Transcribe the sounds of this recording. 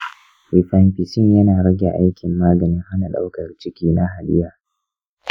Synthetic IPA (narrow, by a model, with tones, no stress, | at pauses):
wi˨ɸa˦mɸɪ˨sɪ˦ŋjɐ˦naː˨ɾɐ˦ɡʲḛ˨ʔa̰˦jkʲɪ˨mːaː˦ɡɐ˨nɪ˦ŋha˦na˨ɗa̰˦wkɐ˨rt͡ʃɪ˦kʲiː˦na˦ɦa˨ɗɪ˦jaː˨